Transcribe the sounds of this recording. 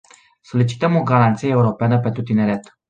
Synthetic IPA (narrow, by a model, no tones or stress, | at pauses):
so̞lit͡ʃi̥t̪əmo̞ɡaɾant̪sijeeuɾo̞peanəp̬e̞nt̪ɾut̪ine̞ɾe̞t̪